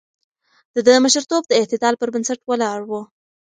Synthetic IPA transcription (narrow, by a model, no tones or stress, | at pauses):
d̪̥əd̪əməʃəɾt̪ob̚d̪əɪht̪ɪd̪ɑlpəɾbənsaʈwəlɑɽwə